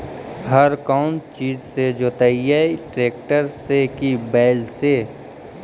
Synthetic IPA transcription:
ɦəɾkaːʊnt͡ʃiːzsed͡ʒoːt̪aijaiʈɾeːk̚ʈəɾsekibɛːlse

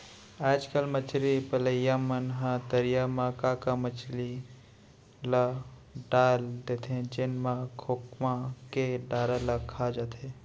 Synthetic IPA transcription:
aːd͡ʒkəlmət͡ʃɾipələjamənɦãt̪əɾijamãkakamət͡ʃli | la | ɖaːld̪et̪ʰẽd͡ʒenmãkʰokmãkeɖaːɾalakʰad͡ʒat̪ʰẽ

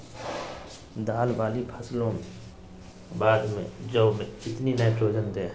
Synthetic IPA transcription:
d̪aːlʋaːlipʰəslõm | baːd̪mḛ̃d͡ʒəmẽɪt̪ninət͡ʃoːd͡ʒənt̪ɛː

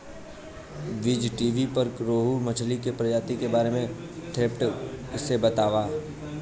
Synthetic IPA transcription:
ʋɪd͡ʒʈiːʋipɐɾkɾoːɦumɐt͡ʃʰlikepɾɐd͡ʒaːt̪ikebaːɾemẽ | t̪ʰeːpʈɪsebɐt̪aːʋaː

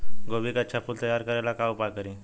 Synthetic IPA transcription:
ɡoʋikat͡ɕapuːlt̪əjaɾkəɾajlakawpakəɾĩ

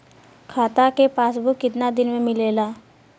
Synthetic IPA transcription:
kʰaːt̪akepaːsbʱʊkːɪt̪nad̪ɪnmẽmɪleːlaː

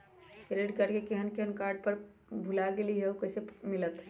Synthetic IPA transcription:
ɾeɖkəʈkekeɦənkeɦənkaɾɖ̚pəɾ | bʱulaɡeliɦewkəsemilət̪

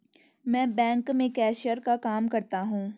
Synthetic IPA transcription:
mɛ̃ːbɛ̃ːŋkmẽkɛːʃəɾkakaːmkɐɾt̪aɦũː

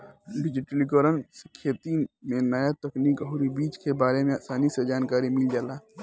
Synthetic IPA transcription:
ɖɪd͡ʒɪʈəlikəɾənsɪkʰet̪imẽnəjat̪ɐkniːkɦʊɾibiːt͡ʃkebaːɾemẽasaːnised͡ʒaːnkaːɾimɪld͡ʒaːlaː

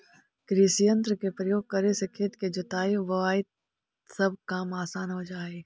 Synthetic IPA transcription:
kɾɪsijə̃nt̪ɾəkepɾəjoːɡ̚kɐɾesekʰeːt̪ked͡ʒʊt̪aːiʋɐaːɪt̪ | sɐb̚kaːmaːsaːnɦod͡ʒaːe

